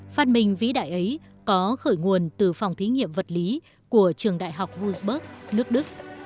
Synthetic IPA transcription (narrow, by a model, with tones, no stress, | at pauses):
faː˧nmï˨˩ŋ̟vḭ˧˦˥ɗa̰ː˧˨jʔə˨˦j | kɔ˨˦xəː˧˩jŋu˨˩ənt̪ɨ˨˩fa˨˩wŋ͡mt̪ʰi˨˦ŋḭ˧˨əmvə˨˩t̚li˨˦ | ku˧˩ət͡ɕɨ˨˩əŋɗa̰ː˧˨jɦa˨˩wk͡p̚vu˧zɓəː˦˥k̚nɨ˦˥ək̚ɗɨ˦˥k̚